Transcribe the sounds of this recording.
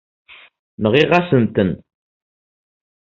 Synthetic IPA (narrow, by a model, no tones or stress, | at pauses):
nəʁiʁasənt̪ən